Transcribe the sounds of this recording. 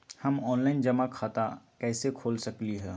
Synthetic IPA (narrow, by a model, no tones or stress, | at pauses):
hɐmɔːnlaːɪnd͡ʒɐmakʰaːt̪akɛːsekʰoːlsɐkliɦɛː